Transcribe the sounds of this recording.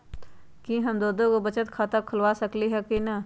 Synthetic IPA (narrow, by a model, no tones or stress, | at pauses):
kĩɦəmd̪oːd̪õkobət͡ʃət̪kʰaːt̪akʰəlwasəkliɦɛkinɐ